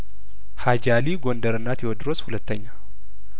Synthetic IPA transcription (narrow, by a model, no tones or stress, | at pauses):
had͡ʒaliɡo̞nd̪əɾɨnːat̪jɛwɔd̪ːɨɾoshulət̪ːəɲːa